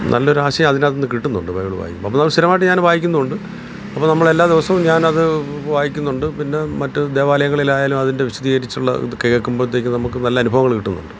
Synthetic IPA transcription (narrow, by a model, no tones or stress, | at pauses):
nʔɐ̰lːɐoɾuaːɕɐjɐmɐðinɐðnːɨkiʈːunːuɳɖɨbɐjɐɭuba̰ːjkʲːumboɐpːnɐmːɐsiɾɐmaːjʈ̬ːɨɲaːnbʱaːjikʲːunːɐuɳɖɨ | ɐpːonɐmːɐɭe̞lːaːd̪iʋɐsɐmɲaːnɐðɨʋaːjikʲːunːuɳɖɨpinːe̞mɐtːɨd̪e̞ːʋaːlɐjɐŋːɐɭilaːjaːlumɐðinde̞ʋiɕud̪iːɣɐɾit͡ɕːuɭːɐ̰kɐjekːumboːt̪̬ːekʲːɨnɐmukːɨnɐlːɐɐnubʱɐʋɐŋːɐɭkiʈːunːṵɳɖɨ